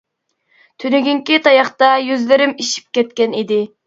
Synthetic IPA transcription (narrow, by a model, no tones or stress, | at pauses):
t̪ʰynyɡʲyŋkʲit̪ʰɑjɑχt̪ɑjyzlɪɾɪmiʃi̥p̚kʲɛt̪̚kʲɛnid̪ɪ